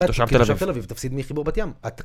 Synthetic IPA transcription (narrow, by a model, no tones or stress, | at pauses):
ʃavt̪avavvt̪elavivt̪afsid̪miχibuʁbat̪jamat̪